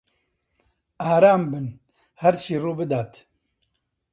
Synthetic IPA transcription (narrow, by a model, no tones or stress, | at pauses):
aːɾaːmbɨn | hɐɾt͡ʃʰiːruːbɨd̪aːt̪